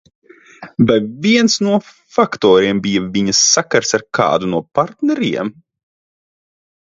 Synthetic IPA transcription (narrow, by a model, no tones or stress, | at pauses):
vajviɛnsnuɔ | fakt̪ɔːɾiɛmbijɐvʲiɲɐsːakaɾsaɾkʰa̰ːd̪unuɔpaɾt̪nɛɾḭɛm